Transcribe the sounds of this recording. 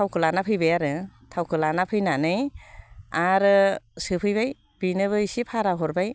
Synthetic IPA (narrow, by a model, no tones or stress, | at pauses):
tʰawkʰɯlanapʰɯjbajaɾɯtʰawkʰɯlanapʰɯjnanɯj | aɾɯsɯpʰɯjbaj | b̥inɯβɯjsipʰaɾaɦɔɾbaj